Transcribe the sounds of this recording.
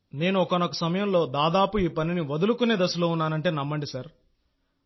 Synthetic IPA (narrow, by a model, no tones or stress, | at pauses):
ne̞ːnuɔkɐnɔkɐsɐmɐjɐmlo̞ːd̪aːd̪aːpuiːpɐniniʋɐd̪ulukune̞ːd̪ɐsuloːunːaːnɐɳʈe̞ːnɐmːɐɳɖisɐɾ